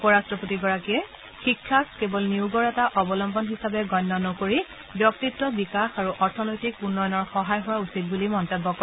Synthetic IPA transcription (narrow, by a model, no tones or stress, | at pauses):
upɔɹastɹɔpotiɡɔɹakiɛ | xikʰːaskebɔlniwɡɔɹɛtaʔɔbɔlɔmbɔnɦisabɛɡɔnːɔnɔkoɹi | bjɔk̚titːɔbikaxaɹuʔɔɹtʰɔnojtikunːɔjɔnɔɹxɔɦajɦʊwausit̚bulimɔntɛbːɔkɔɛ